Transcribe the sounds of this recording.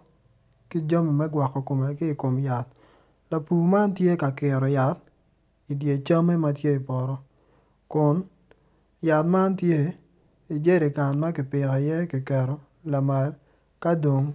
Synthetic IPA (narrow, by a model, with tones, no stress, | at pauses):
ki˦d͡ʒa˦mi˨mɛ˦ɡwa˨kːɔ˨ko˨mɛ˨kɪ˦i˨ko˨mja˨t̪̚ | la˨puː˨ma˦ntje˦ka˨kɪ˨ɾɔ˨ja˨t̚ | i˨dje˨t͡ʃa˦me˦ma˦tje˦i˨pɔ˨ɾɔ˦ | kʊ˨n | ja˨tma˦ntje˦ | i˨d͡ʒe˦ɾi˨ka˨nma˦kɪ˨pɪ˨kɔ˨jɛ˦ki˨kɛ˨ɾɔ˨ | la˨ma˨l | ka˦do˨ŋ